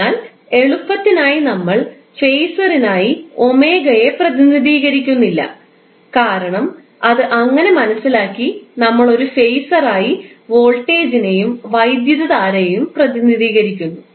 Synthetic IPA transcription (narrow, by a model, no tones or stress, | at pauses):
aːl | e̞ɭupːɐt̪ːinaːjinɐmːɐɭ | fe̞jsɐrinaːjio̞me̞ːɡɐje̞prɐðiniðiːɣɐɾikʲːunːilːɐ̰ | kaːɾɐɳɐm | ɐðɨʔɐŋːɐne̞mɐnɐsːilaːkːinɐmːɐɭo̞ɾufe̞jsɐraːjiʋo̞ːɭʈe̞ːd͡ʑine̞jumʋɐjd̪jɐðɐðaːɾejumprɐðiniðiːɣɐɾikʲːunːu